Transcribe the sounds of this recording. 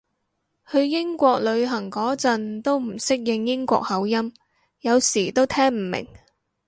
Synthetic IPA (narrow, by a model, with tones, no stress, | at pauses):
hɵ˨˧ɥjɪ˥ŋkʷɔː˧k̚lɵ˨˧ɥɦɐ˨˩ŋkɔː˨˥t͡sɐ˧nt̪o˥wm̩˨˩sɪ˥k̚jɪ˧ŋjɪ˥ŋkʷɔ̰ː˧k̚hɐ˨˥wjɐ˥m | jɐ˨˧wsiː˨˩t̪o˥wt̪ʰɛː˥ŋm̩˨˩mɪ̰˨˩ŋ